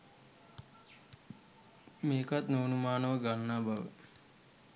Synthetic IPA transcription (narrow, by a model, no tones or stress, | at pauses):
meːkat̪noːnumaːnəʋəɡanːaːbaʋə̰